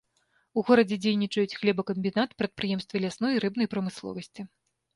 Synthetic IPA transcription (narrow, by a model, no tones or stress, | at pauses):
uɣɔɾɐd͡zʲɛd͡zʲejnʲit͡ʂɐjut͡sʲxlʲɛbɐkɐmʲbʲin̪at̪pɾɐt̪̚pɾɨjɛmst̪vʲɐlʲasn̪ɔjiɾɨbnɐjpɾɐmɨslˠɔ̰vɐsʲt͡sʲi